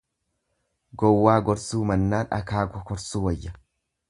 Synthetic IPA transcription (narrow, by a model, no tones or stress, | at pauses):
ɡɔwːaːɡɔɾsuːmɐnːaːɐ̰kaːɡɔkɔɾsuːwɐjːɐ